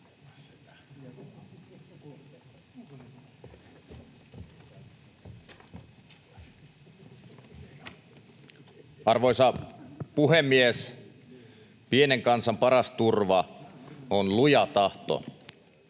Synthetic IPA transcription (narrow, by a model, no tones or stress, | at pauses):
ɑrʋojsɑpuɦemːies | pieneŋkɑnsɑmpɑɾɑst̪urʋɑ | onlujɑt̪ɑht̪o̰